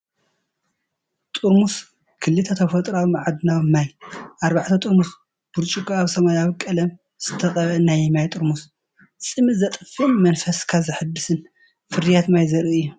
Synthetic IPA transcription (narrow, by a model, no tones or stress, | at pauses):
t̪ʼuɾmus | kʰɨlːɨt̪ʰɐt̪ʰɐβfɐt̪ʼɾawmaʕad̪ɨnawmajʔaɾbaʕt̪ʰɐt̪ʼuɾmus | b̥uɾt͡ʃʼukʼaaβsɐmajawikʼɐlɐm | z̥ɨt̪ʰɐkʼɐβɐnajmajt̪ʼɨɾmus | sʼɨmɨzɐt̪ʼɨfɨnmɐnfɐskʰazɨħɨd̪ːɨsɨn | fɨɾijat̪majzɐɾɨɨjːu